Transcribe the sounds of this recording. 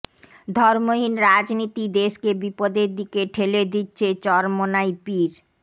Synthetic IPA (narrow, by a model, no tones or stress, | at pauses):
d̪ʱɔɾmoɦinɾad͡ʑnit̪id̪eʃkebipod̪eɾd̪ikeʈʰeled̪itːɕʰet͡ɕɔɾmonaipiɾ